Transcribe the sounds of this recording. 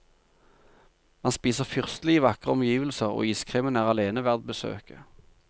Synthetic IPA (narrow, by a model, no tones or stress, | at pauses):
mɑnspiːsəʁfʏʁst̪lɪːʋɑkʁəɔmjiːʋəlsəʁo̰ːiːskʰʁɪmɪnæːʁɑleːnəʋæʁd̪̚bəsø̰ːkə